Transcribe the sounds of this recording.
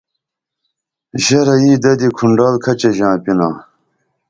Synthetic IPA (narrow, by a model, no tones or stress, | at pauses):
ʑɐɾɐiːd̪ɐd̪ikʰuɳɖɑːlkʰɐt͡ɕeʑãːpinãː